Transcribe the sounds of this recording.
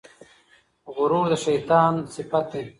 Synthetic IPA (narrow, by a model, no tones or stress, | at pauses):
ɣʊɾuːɾd̪əʃɐjt̪aːnsɪpɐt̪̚e